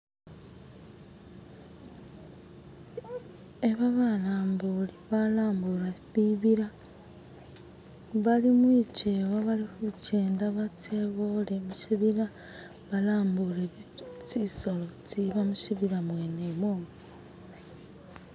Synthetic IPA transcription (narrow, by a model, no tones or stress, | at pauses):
e̞βaβalaːmbuliβalaːmbulaβiβiɾa | βalimwiːceːwaβalixuceːndaβateβolemuʃiβiɾa | βalaːmbulet͡siso̞lot͡siβamuʃiβiɾamweːneβoːŋo